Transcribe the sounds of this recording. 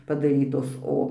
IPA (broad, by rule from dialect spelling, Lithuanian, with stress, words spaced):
pɐdɐˈrʲiːtoːs ˈoː